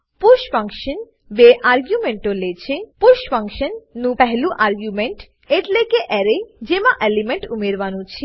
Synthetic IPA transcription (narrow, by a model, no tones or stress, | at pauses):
puɾʃfaŋkʃən | beʔaɾɡjumeɳʈolet͡ɕʰepuɾʃpaŋkʃənːũpɛɦeluʔaɾɡjumeɳʈ | eʈlekeʔɛɾed͡ʑemaʔelimeɳʈumeɾbanut͡ɕʰi